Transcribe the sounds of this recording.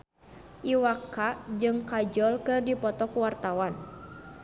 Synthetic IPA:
ʔiwakad͡ʒɨŋkad͡ʒɔlkɨrdipɔt̪ɔkuwart̪awan

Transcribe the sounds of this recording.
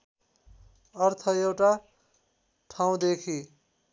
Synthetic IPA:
ʌrt̪ʰʌewʈa | ʈʰaw̃d̪ekʰi

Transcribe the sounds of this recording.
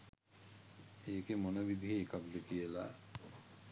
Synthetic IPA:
eːkemonobid̪ʱiɦeːkakɖekijəla

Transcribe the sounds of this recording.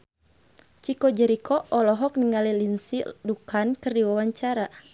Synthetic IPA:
t͡ʃikɔd͡ʒɛɾikʰɔɔlɔɦɔk̚niŋalilinsidukankɨrdiwawaɲt͡ʃaɾa

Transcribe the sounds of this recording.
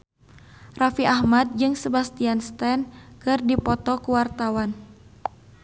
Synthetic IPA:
rafiʔahmat̪̚d͡ʒɨŋsəbast̪ianst̪ɛnkɨrdipɔt̪ɔkuwart̪awan

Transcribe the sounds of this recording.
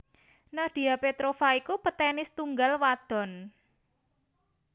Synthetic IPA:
nahd̪̥i̤apet̪ɾofaikupət̪ɛnɪst̪uŋɡalwad̪̥ɔ̤n

